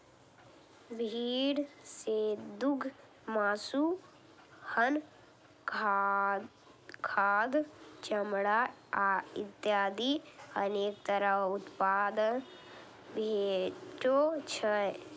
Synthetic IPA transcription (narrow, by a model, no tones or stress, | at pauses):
bʱiːɽsed̪uɡʱ | maːsu | hən | kʰaːd̪t͡ʃəmɽaaɪt̪jaːd̪iəneːkt̪əɾəɦʊt̪paːd̪ən | bʱeʈot͡ʃʰə